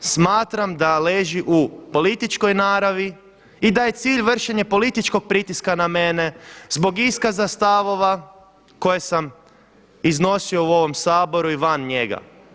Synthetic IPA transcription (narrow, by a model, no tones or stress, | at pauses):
smaːt̪ɾamd̪aleːʒiʔupo̞lit̪it͡ʃko̞jnaːɾaʋi | id̪aje̞t̪siːʎʋr̩ʃeɲe̞po̞lit̪it͡ʃko̞ɡ̚pɾit̪iskaname̞ne̞zbo̞ɡiskazast̪aʋo̞ʋa | ko̞je̞sam | izno̞sio̞uo̞ʋo̞msaːbo̞ɾuiʋanɲe̞ɡa̰